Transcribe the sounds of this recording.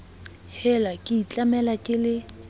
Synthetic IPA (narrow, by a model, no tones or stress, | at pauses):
hɛlakʼɪit͡ɬʼamɛlakʼɪlɪ